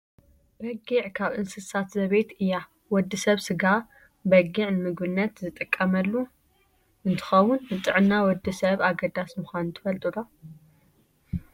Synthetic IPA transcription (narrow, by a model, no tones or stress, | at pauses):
bɐɡiʕkʰaβʔɨnsɨsat̪zɐβet̪ɨjːa | wɔd̪ːisɐβsɨɡa | bɐɡiʕnɨmɨɡbɨnːɐt̪zɨt̪ʼɨkʼːɐmɐlːu | ʔɨnt̪ʰɨ̥xɐwʊnːɨt̪ʼɨʕɨnːawɔd̪ːisɐβaɡɐd̪asmɨxʷant̪ʰɨ̥fɐlt̪ʼulo